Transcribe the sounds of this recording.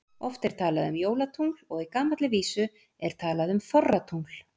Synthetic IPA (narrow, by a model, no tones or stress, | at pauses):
ɔft̪ɛɾ̥t̪ʰaːlaðʏmjoːwlat̪ʰuŋlɔɣikaːmat̪lɪviːsʏ | ɛɾ̥t̪ʰaːlaðʏmfɔrːat̪ʰul̥